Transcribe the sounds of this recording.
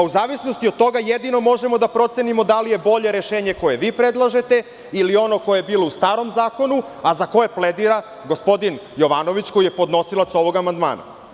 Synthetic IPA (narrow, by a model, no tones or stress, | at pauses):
uzaːʋisno̞st̪iod̪̚t̪ːo̞ɡajed̪ino̞mo̞ʒe̞mo̞d̪apɾo̞t̪senimo̞d̪alije̞bo̞ʎe̞ɾeʃeːɲeko̞je̞ʋiːpɾed̪lˠaʒe̞t̪e̞ | ilio̞no̞ko̞jeebiːlˠo̞ust̪aːɾo̞mzaːko̞nu | azako̞jepled̪iɾa | ɡo̞spo̞d̪injo̞ʋano̞ʋit͡ɕko̞jijepo̞d̪no̞silˠat̪so̞ʋo̞ɡamand̪ma̰ːna̰